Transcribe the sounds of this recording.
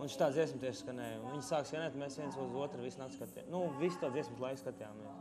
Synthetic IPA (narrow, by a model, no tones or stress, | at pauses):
unʃi̥t̪aːd̪ziɛsmt̪ʲiɛʃskanɛjnviɲsaːksʲɛnɛt̪mesʋiɛnsuzuɔt̪ɾʋisnat̪skat̪ʲḭnuvist̪ad̪ziɛsmt̪lˠajkskat̪ʲɛjaːmːes